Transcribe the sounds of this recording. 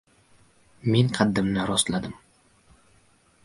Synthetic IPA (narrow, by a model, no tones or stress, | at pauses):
me̞nqʰɑd̪ːɪmnɪɾɒst̪lad̪ɪm